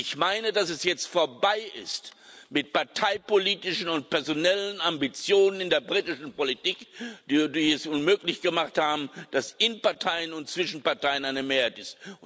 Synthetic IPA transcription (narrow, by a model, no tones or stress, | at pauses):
ɪçmaɪnədasɛsjɛt͡stfoːɐbaɪʔɪ̰stmɪtpaɐtʰaɪpoliːtɪʃn̩ʊnt̚pʰɛɐzonɛlənambit͡sjoːnənɪndeːɐbʁiːtɪʃn̩politiːkd̥iːdiɛsʔʊnmøːklɪçɡ̥əmaχthaːbm̩d̥asɪnpaɐtʰaɪənʊntt͡sv̥ɪʃn̩paɐtʰaɪənaɪnəmeːɐhaɪtɪst